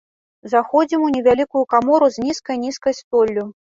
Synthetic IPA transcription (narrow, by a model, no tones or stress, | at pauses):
zaxɔd͡zʲimunʲɛvʲalʲikujukamɔɾuzʲnʲiskɐjnʲiskɐjst̪ɔlʲːu